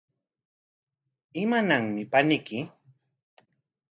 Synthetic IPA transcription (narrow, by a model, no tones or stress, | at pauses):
ɪmanaŋmɪpanɪkɪ